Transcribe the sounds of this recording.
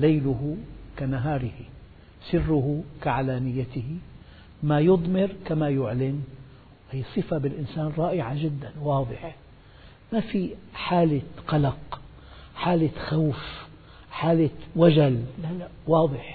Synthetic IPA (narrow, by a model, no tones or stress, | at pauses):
lajlʊɦʊkanaɦɑːɾɪhi | sɪrːʊɦʊkaʕalaːnɪjːat̪ɪhɪ | majʊd̪ˤmɪɾkamajʊʕlɪn | whijːsˤɨfabɪlʔɪnsaːnɾˤɑːʔɪʕaʒɪd̪ːanwɑːd̪ˤɨħ | mafiħaːlɪqɑlɑq | ħaːlɪxawf | ħaːlɪwad͡ʒallala | wɑːd̪ˤɨħ